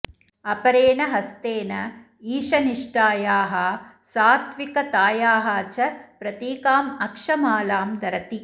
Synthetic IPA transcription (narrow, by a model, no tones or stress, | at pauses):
ɐpɐɾeːnɐɦɐst̪eːnɐ | iːʂɐniʂʈaːjaːɦɐ | saːt̪ʋikɐt̪aːjaːɦɐːt͡ʃɐpɾɐt̪iːkaːmɐkʂɐmaːlaːmd̪ɐɾɐt̪i